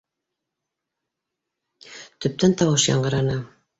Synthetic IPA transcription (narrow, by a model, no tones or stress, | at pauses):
t̪ɵ̆p̚t̪ænt̪ɑwɤʃjɑ̰ɴɢɤ̆ɾɑnɤ